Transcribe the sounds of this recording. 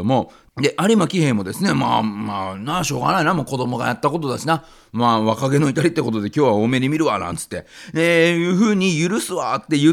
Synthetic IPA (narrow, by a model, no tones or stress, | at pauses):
omo̞ | d̪e̞ʔaɾʲimakʲihẽ̞mmo̞d̪e̞sɨne̞ma̰ːmaːnaɕo̞ːɡa̰nainamoko̞d̪o̞mo̞ɡa̰jat̪ːako̞t̪̬o̞d̪aɕina | maːβakaɡe̞no̞it̪aɾʲit̪ːe̞ko̞t̪o̞d̪e̞kʲo̞ːβaoːme̞ɲimʲiɾɯ̟βanã̰nt͡sɨ̥t̪ːe̞ejɯ̟ːɸɯ̟ːɲ̟ijɯɾɯsɨβat̪ːe̞jɯ̟